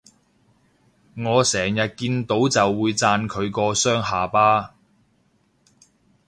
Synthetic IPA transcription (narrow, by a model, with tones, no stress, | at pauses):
ŋɔː˨˧sɛː˨˩ŋjɐ˨t̚kiː˧nt̪o˨˥wt͡sɐ˨wːuː˨˧jt͡saː˧nkʰɵ˨˧ɥkɔː˧sœː˥ŋɦaː˨paː˥